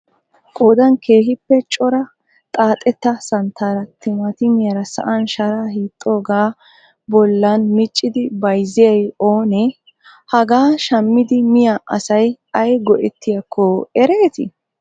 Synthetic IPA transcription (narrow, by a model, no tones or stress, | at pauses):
kʼoːd̪ɐnkʰe̞ːɦɪpːɛt͡ʃʼɔɾɐ | t̪ʼaːt̪ʼɛt̪ːɐsɐnt̪ʰːaːɾɐt̪ːɪmɐt̪ɪmɪjɐɾɐsɐ̰ʔɐnʃɐɾaːhiːt̪ʼːo̞ːɡaː | bɔlːɐnmɪt͡ʃʼːɪd̪ɪbɐjzɪjɐjo̞ːnɛ | hɐɡaːʃɐmːɪd̪ɪmɪjaʔɐ̰sɐj | ɐjɡɔʔɛt̪ːɪjɐkʰːɔɛɾeːt̪ɪ